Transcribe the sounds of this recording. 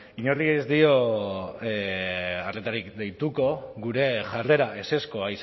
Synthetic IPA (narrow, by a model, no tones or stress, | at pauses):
iɲoriezd̪io̞ | aret̪aɾikd̪e̞jt̪uko̞ɣuɾe̞ʝare̞ɾaʔe̞se̞skoais